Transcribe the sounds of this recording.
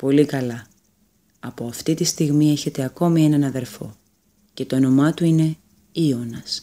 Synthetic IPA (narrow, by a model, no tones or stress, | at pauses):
po̞likɐlɐ | ɐpo̞ɐft̪it̪ist̪iɣmie̞çe̞t̪eɐko̞mie̞nɐnɐðe̞ɾfo̞̰ | ce̞t̪o̞no̞mɐt̪uine̞ | io̞nɐs